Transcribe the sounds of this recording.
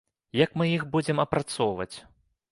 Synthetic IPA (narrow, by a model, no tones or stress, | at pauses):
jɐkmɨjixbud͡zʲɛmɐpɾat̪sɔwvɐ̰t͡sʲ